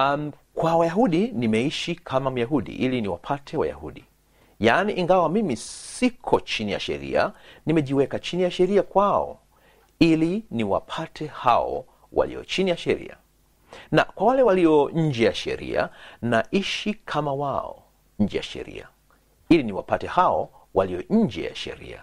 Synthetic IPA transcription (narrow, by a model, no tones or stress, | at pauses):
kwawajaɦuɗinimɛiʃikʰamam̩jaɦuɗḭʔiliniwa̰pʰatʰɛwa̰ja̰hṵɗi | janiʔiŋɡawamimisikʰɔt͡ʃinija̰ʃɛ̰ɾḭa̰nimɛʄiwɛkat͡ʃinijaʃɛɾiakwaɔ̰ | iliniwa̰pʰatʰɛhaɔ̰ | wa̰lḭɔt͡ʃinijaʃɛɾḭa̰ | na̰kwawalɛwaliɔɲ̩d͡ʒɛjaʃɛ̰ɾḭa̰naʔiʃikʰamawaɔ̰ | ɲ̩d͡ʒɛjaʃɛ̰ɾḭa | iliniwa̰patɛhaɔwaliɔɲ̩d͡ʒɛja̰ʃɛ̰ɾḭa